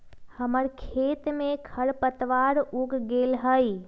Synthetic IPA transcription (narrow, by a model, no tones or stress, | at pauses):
həməɾkʰet̪mẽkʰəɾpət̪ʋaɾuɡɡelɦəj